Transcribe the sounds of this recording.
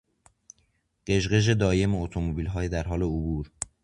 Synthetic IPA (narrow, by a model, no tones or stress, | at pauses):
ɢ̥e̞ʒɢe̞ʒe̞d̪ɒːje̞meot̪ʰomobiːlɦɒːjed̪æɾɦɒːle̞obuːɾ